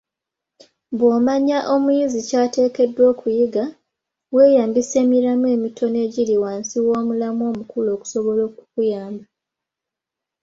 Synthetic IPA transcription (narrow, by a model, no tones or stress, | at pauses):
bwoːmaɲaʔo̞mwjizicaːte̞ːke̞dːwo̞ːkʰujiɡa | we̞ːjaːmbise̞ːmiɾamuwe̞ːmitʰo̞ne̞ːɟiliwaːnsiwoːmulamo̞ːmukulo̞ːku̥so̞βo̞lo̞ːkukujaːmba